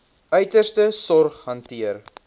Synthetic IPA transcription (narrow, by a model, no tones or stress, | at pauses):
œɥtərstəsɔrχɦɐntiər